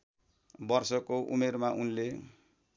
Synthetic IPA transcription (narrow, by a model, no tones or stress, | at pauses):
bʌrsʌkoʔṵmermaʔunle